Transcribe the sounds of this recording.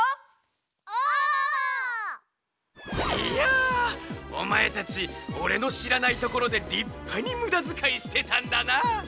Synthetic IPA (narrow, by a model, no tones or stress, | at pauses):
a | ia | o̞̰mae̞t̪at͡ɕio̞ɾe̞no̞ɕiɾanait̪o̞ko̞ɾo̞d̪e̞ɾʲipʰːaɲ̟imɯ̟d̪azɨkaiɕi̥t̪e̞t̪ãnd̪ana